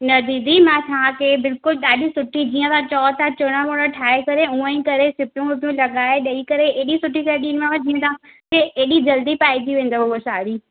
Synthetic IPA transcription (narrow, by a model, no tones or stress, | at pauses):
nɐd̪iːd̪imãt̪ʰaãkʰeːbɪlkʊlɗaːɗisʊʈʰid͡ʑiːə̃t̪ãt͡ɕɔːt̪ãt͡ɕʊɽ̃amoːɽaʈʰaːekɐɾeũːə̃ĩkɐɾesɪpjũʊpjũlɐɠaːeɗɐikɐɾeeːɗisʊʈʰisaːɗiːnmãʋãd͡ʑiːə̃t̪ʰãːkeeːɗid͡ʒɐld̪ipaːid̪ʰiʋẽːnd̪oboosaːɾiː